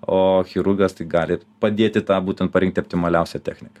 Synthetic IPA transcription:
oːxʲɪɾʊɡɐst̪ɐɪɡɑːlʲɪpɐd̪ʲeːt̪ʲɪt̪ɑːbuːt̪ʲɛnt̪̚pɐɾʲɪŋkt̪ʲopʲt̪ʲɪmɐlʲɛʊsʲɛt̪ʲæ̰xʲnʲɪkɐ

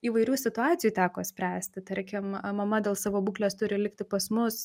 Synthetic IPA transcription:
iːʋɐɪɾʲuːsʲɪt̪ʊɑːtt͡sʲɪjuːt̪ʲæːkoːsʲpʲɾʲæːsʲt̪ʲɪt̪ɐɾʲkʲɪmmɐmɐd̪ʲeːlˠsɑʋoːbuːklʲeːst̪ʊɾʲɪlʲɪkt̪ʲɪpɐsmʊs

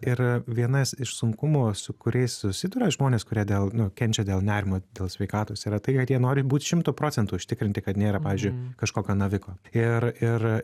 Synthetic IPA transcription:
ɪɾʋʲiɛnɐsɪʃsʊŋkʊmoːsʊkʊɾʲɛɪssʊsʲɪd̪ʊːɾɐʒmoːnʲeːskʊɾʲiɛd̪ʲeːlˠnʊkʲɛnʲt͡ʃʲɛd̪ʲeːlˠnʲæːɾʲɪmoːd̪ʲeːlˠsʲʋʲɛɪkɑːt̪oːsiːɾɐt̪ɐɪkɐt̪jiɛnoːɾʲɪbuːt̪ʃʲɪmt̪uːpɾoːt͡sʲɛnt̪uːʊʃʲt̪ʲɪkɾʲɪnʲt̪ʲɪkɐt̪nʲeːɾɐpɑːʋʲiːzʲd͡ʒʊɪkɐʃkoːkʲoːnɐʋʲɪkoːɪɾɪɾ

